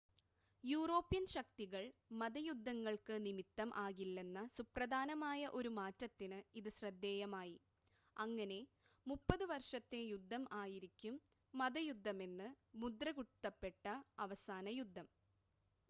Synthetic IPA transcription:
juːro̞ːpːijɐnɕɐk̚t̪iɣɐɭmɐðɐjud̪ʱːɐŋːɐɭkɨnimit̪ːɐmʔaːɣilːe̞nːɐsuprɐd̪ʱaːnɐmaːjɐʔo̞ɾumaːtːɐt̪ːinɨiðɨɕrɐd̪ːeːjɐmaːji | ɐŋːɐne̞ | mupːɐðɨʋɐrʂɐt̪ːejud̪ʱːɐmʔaːjiɾikʲːumː | ɐðɐjud̪ʱːɐme̞nːɨ | mud̪rɐɣut̪ːɐpːe̞ʈːɐɐʋɐsaːnɐjud̪ʱːɐm

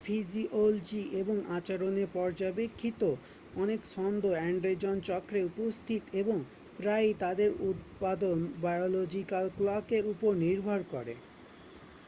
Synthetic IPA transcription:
fʰid͡ʑiʔold͡ʑiʔeboŋʔat͡ɕaɾonepɔɾd͡ʑabekʰːit̪o | ɔnekʃɔnd̪ʱoɛɳɖɾed͡ʑont͡ɕɔkɾeupost̪ʰit̪eboŋ | pɾajt̪ad̪eɾut̪̚pad̪onbajolod͡ʑikalklɔkeɾupoɾniɾbʱoɾkɔɾḛ

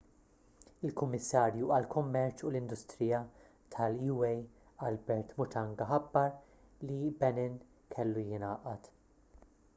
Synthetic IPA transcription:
ɪlkʊmːɪsːɐːɾjuʔɐlkʊmːɛɾt͡ʃʊlɪnd̪ʊst̪ɾɪjɐ | t̪ʰɐljuːɛj | ɐlbɛɾt̪mʊt̪ɐŋɡɐħɐbːɐɾ | libɛnɪn | kʰɛlːujɪnɐːʔɐt̪

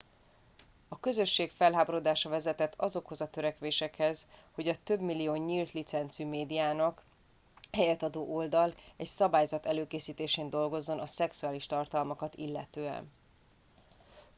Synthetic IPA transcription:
ɒkø̞zø̞ʃːeːkfɛlɦaːboɾod̪aːʃɒvɛzɛt̪ɛt̪ʰːɒzo̞kho̞zɒt̪øɾɛkʋeːʃɛkhɛz̥ | ho̞ɟɒt̪ø̞bmilːijoːɲiːlt̪lit̪sɛnt̪symeːd̪ijaːnɒk | hɛjɛt̪ɒd̪oːʔold̪ɒlɛcsɒbaːjzɒt̪ɛløːkeːsiːt̪eːʃeːnd̪o̞lɡo̞zːo̞nɒsɛksuaːliʃt̪ɒrt̪ɒlmɒkɒt̪ḭlːɛ̰t̪øːɛ̰n

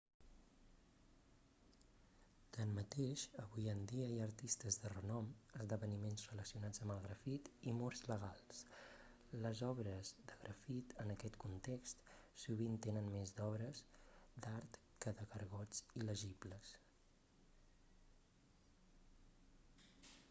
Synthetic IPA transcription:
t̪ənmət̪eʃəβujənd̪iəiəɾt̪ist̪əzðərənɔməzðəβənimenzrələsiunad͡zəmbəlˠɣɾəfit̪imɔɾzləɣ̞alˠs | ləzɔβɾəzd̪əɣɾʔəfit̪ənəkɛt̪kunt̪ekst̪suβ̞int̪enənmezd̪ɔβɾəsd̪aɾt̪ | kəðəɣəɾɣɔd͡ziləʒibləs

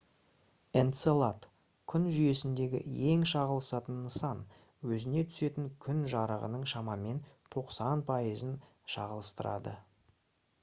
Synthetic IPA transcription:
ent̪selˠat̪ | kʲʰʏnʒʏje̞sɪnd̪e̞ɡʲɪ̰e̞ŋʃɑʁəlˠəsɑt̪ənːəsɑn | wɵzɪne̞t̪ʰʏ̥se̞t̪ɪŋkʲʰʏnʒɑɾəʁə̰nəɴʃɑmɑme̞nt̪ʰo̞qsɑnpʰɑizən | ʃɑ̰ʁəlˠəst̪əɾɑ̰d̪ə̰

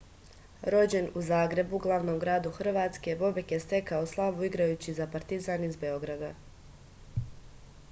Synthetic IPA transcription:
ɾo̞d͡ʑe̞nuzaːɡɾe̞buɡlˠaʋno̞mɡɾaːd̪uxr̩ʋaːt̪ske̞bo̞bikjest̪e̞kaoslˠaʋuiɡɾajuːt͡ɕizapaɾt̪izaːnizbe̞o̞ɡɾad̪a

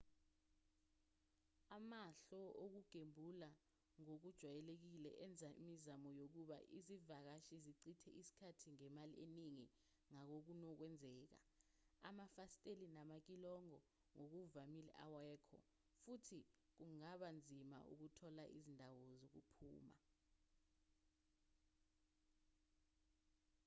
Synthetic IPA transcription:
amaɬɔok̬uɡ̥ʱembʱula | ŋok̬ud̥ʒ̥ʱwajɛlek̬ilɛ̰ʔɛnd͡zʱaimizamɔjok̬uɓa̰ʔizivak̬aʃiziǀitʰɛ̰ʔisi̥kʰatʰiŋɛmalḭeniŋi | ŋak̬ok̬unɔk̬wɛnd͡zʱɛːk̬a̰ | amafastʼelinamak̬ilɔŋɔ | ŋok̬uvamilɛ̰ʔawɛːkʰɔ̰ | futʰi | k̬uŋaɓand͡zʱima̰ʔṵk̬utʰɔlaʔizindʱawɔzok̬ṵpʰṵːma̰

